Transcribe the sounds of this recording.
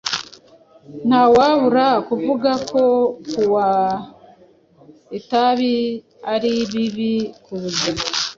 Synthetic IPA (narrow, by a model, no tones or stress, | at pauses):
n̥hawaβuɾakuvuɡakʰo̞kuwa | etaβi | aɾiβiβikuβuɟa